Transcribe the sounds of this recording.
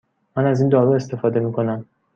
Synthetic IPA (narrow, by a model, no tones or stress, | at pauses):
mænæziːnd̪ɒːɾue̞st̪e̞fɒːd̪e̞miːkʰo̞næm